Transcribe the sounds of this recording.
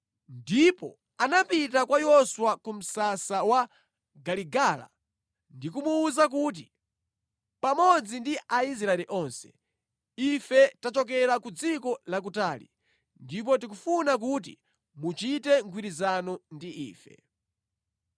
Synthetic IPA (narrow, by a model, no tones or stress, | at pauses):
ndipɔ | anapitakwajɔswakum̩sasawa | ɡaliɡala̰ | ndikumuːzak̬ut̬i | pamɔd͡zindiʔais̬ɾaɛliʔɔnsɛ̥ | ifɛtat͡ʃɔk̬ɛɾakud͡zikɔlak̬utaːlḭ | ndip̬ɔtik̬ufunak̬ut̬ḭ | mut͡ʃitɛŋɡwiɾizanɔndiʔḭːfɛ̰